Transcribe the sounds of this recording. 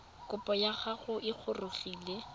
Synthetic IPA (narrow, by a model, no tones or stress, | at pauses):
kʊpʼɔjaχaχʊʔɪk͡xʰʊrʊχiːle